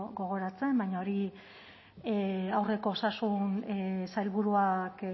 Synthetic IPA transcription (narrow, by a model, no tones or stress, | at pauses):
ɡo̞ɣ̞o̞ɾat͡se̞mbajɲaoɾi | awre̞ko̞ːsasunsajlβuɾuak